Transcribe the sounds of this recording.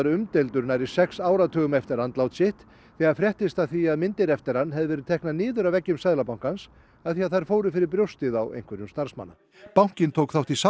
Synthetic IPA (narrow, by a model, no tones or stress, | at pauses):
ɾʏmt̪elt̪ʏɾnajɾɪ̥sɛksaːwɾat̪ʰœːɣʏmɛft̪ɪɾant̪lawt̪sɪht̪ | θɛːɣaɾfɾjɛht̪ɪst̪aðθiaðmɪnt̪ɪɾɛft̪ɪɾanːɦɛðɪvɛɾʏðt̪ʰɛhknanɪːðʏɾawvɛcːʏmsajðlapawŋ̥kans | aðθiaðθajɾ̥foːwɾɪfɪɾɪɾpɾjowst̪ɪðawʔḛjŋ̥kʰvɛɾjʏmst̪aɾ̥sma̰nːa̰ | pawŋ̥cɪnt̪ʰowkθawt̪isa